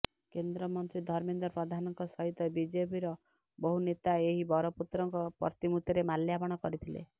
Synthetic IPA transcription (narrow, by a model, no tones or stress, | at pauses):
kend̪ɾɔmɔnt̪ɾid̪ʱɔɾmind̪ɔɾpɾɔd̪ʱanɔŋkɔsɔɦit̪ɔbid͡ʒepiɾɔ | bɔɦunet̪aeɦibɔɾɔput̪ɾɔŋkɔpɔ̰ɾt̪imut̪jɔɾemaljapɔɽ̃ɔkɔɾit̪ʰilḛ